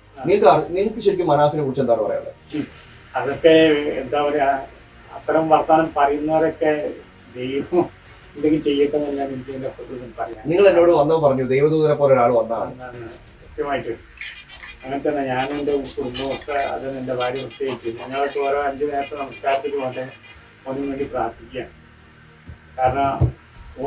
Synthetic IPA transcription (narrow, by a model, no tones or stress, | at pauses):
niŋːɐɭkɐrniŋːɐɭkːɨɕeɻikʲːumːɐnaːsinekuɽit͡ɕːend̪aːpɐrɐ̰ja̰ːɳɖḛ | ɐðokːe̞end̪aːʋɐɾa | ɐt̪ːɐɾɐmʋɐrt̪ːaːnɐmpɐrɐjunːɐɐɾokːe | d̪e̞jʋɐm | end̪ekʲːiɨt͡ɕe̞jːɐt̪ːɐnːɐlːaninkːiŋːɐlpːɐt̪uðɐnpɐrɐjːaːniŋːɐɭenːo̞ːɽɨʋɐnːɐmpɐrɐɲːud̪e̞jʋɐd̪uːðɐnepːoːleoɾaːɭɨʋɐnːɐa̰ansɐt̪jɐmaːjiʈːɨ | ɐŋːɐnet̪ːɐnːɨɲaːnende̞utːuunːuopːɐɐ̰ðɨnende̞bʱaːɾjɐʋɨst̪ijeikʲːuniŋːɐɭoʈːeoɾoɐɲd͡ʑɨneːɐt̪ːɐnɐmɐskaːrɐt̪ːiʈːumoɳɖe | onːumʋeɳɖipraːrt̪ːikʲːuːaːɳ | kaːɾɐɳɐm